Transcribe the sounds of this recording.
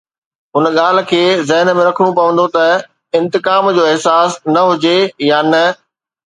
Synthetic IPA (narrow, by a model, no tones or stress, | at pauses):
ʊnɠaːl̤̆kʰeːzɐɦnmẽɾɐkʰəɽ̃ũpɐʋə̃nd̪ot̪ɐ | ɪ̃nt̪ɪkaːmd͡ʑoːɪɦsaːsnɐɦʊd͡ʑejaːnɐ